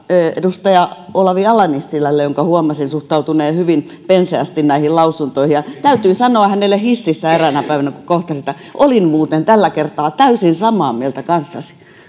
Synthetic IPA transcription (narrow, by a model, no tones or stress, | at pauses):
ḛdust̪ɑjɑolɑʋiɑlɑnisːilːælːejoŋkɑhuomɑsinsuht̪ɑut̪uneːhyʋin | penseæst̪innæihillɑusunt̪oihijɑt̪æyt̪yːsɑnoɑhænelːˑehisːisːæerænæpæiʋænækukoht̪ɑsit̪ːæ | ʔolinmuːt̪ent̪ælːækert̪ɑːt̪æysinsɑmɑːmielt̪ækɑnsːɑsi̥